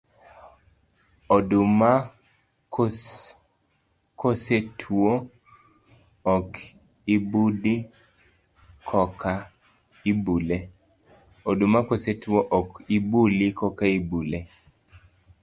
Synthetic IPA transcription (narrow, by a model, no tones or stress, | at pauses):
ɔdʊma | k | kosetʰwo | ɔk | ibudi | kʰɔka | ibule | odʊmakosetwoʔɔkibulikɔkaibule